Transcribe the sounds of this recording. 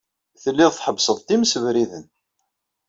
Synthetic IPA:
θəlːiðθħəbsˤəðˤt̪iməsəvɾiðən

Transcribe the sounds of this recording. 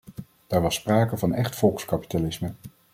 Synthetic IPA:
d̥aːɹʋɑspraːkəvɑnɛχtfɔlˠkskɑpi̥talɪsmə

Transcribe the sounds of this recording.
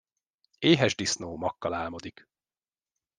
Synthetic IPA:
eːɦɛʒd̪isnoːmɒkːɒlaːlmo̞d̪ik

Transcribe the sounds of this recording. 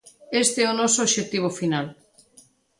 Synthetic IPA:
est̪eɛonɔsooʃet̪iβ̞ofinal

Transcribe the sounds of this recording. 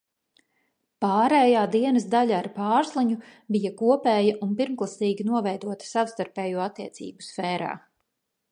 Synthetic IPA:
paːɾɛːjaːd̪iɛnɐsd̪aʎaːɾpaːɾsliɲubijakuɔpɛːjɐʔunpiɾmklˠasiːɡʲinuɔvɛjd̪uɔt̪ɐ̥sawst̪aɾpɛːjuɔat̪ːiɛsḭːbu̥sfɛːɾa̰ː

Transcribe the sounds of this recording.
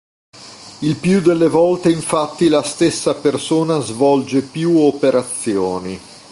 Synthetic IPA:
ilpjud̪elːevɔlt̪eiɱfat̪ːilast̪esːapersoːnazvɔld͡ʒepjuopeɾat̪sːjoːni

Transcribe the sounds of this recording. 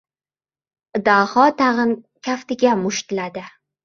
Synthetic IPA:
d̪ahɒt̪ʰaʁɨn | kʲʰaft̪ɪɡʲamʊʃt̪ɪlad̪ɪ

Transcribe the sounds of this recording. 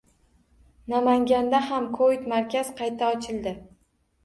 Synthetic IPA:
namaŋɡʲand̪ahamkʰoit̪maɾkʲaz̥qʰɑjt̪ʰaɒt͡ʃʰɪlˠd̪ɪ

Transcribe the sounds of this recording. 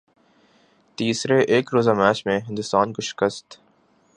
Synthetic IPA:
t̪iːsɾeʔeːkɾoːzamɛːt͡ʃmẽɦɪ̃nd̪ʊst̪aːnkoʃɪ̥kəst̪

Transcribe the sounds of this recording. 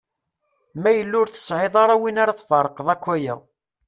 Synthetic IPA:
mæjəlːʊɾθə̥sʕeðˤɑɾˤɑwinaɾaθfɑɾˤəqðˤækʷːæjæ̰

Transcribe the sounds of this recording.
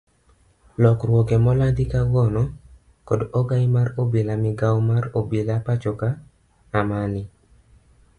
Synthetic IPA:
lɔkrwɔɡɛmɔladikaɡɔnɔ | kodoɡajmarobelamɪɡawmarobelapat͡ʃɔkaː | manɪ

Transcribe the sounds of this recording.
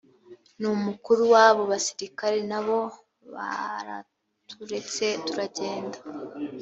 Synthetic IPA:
numukuɾuwaβo̞βasi̥ɾikaɾe̞naβo̞ | βa̰ɾa̰ | tuɾe̞t͡se̞tuɾaɟe̞ːndḁ

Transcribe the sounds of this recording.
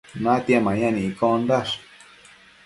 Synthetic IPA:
nat̪iamãjanĩikond̪aʂ

